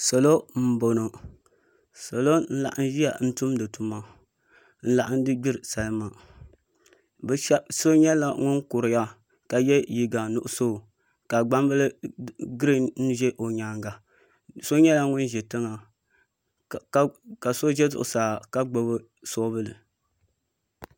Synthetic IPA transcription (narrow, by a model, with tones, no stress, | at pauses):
so˨lo˦m̩˦bo˨no˨ | so˨lo˦n̩˦la̰˨ʔɨ̰˦n˦ʒi˦a˨n̩˦tu˦mdɨ˨tu˨ma˨ | n̩˦la˨ʔa˦n˦dɨ˦ɡ͡bi˦ɾɨ˨sa˨lɨ˦ma˨ | bʃso˦ɲɛ˦la˨ŋʊ˦nkʊ˨ɾɨ˨ja˦ | ka˨jɛ˦ji˨ɡa˨nʊ˨ʔʊ˦so˦˨ | ka˨ɡ͡ba˦mbɨ˦lɨ˦ɡɨ˦ɾɨ˦n̩˦ʒɛ˦ʔo˨ɲaː˨˦ŋɡa˨ | so˦ɲɛ˦la˦ŋʊ˦nʒɛ˨tɨ˦ŋa˨˦ | ka˨so˦ʒɛ˦zʊ̰˨ʔʊ̰˨saː˨ka˦ɡ͡bo˨bɨ˦ | sɔ˦bɨ˦lɨ˨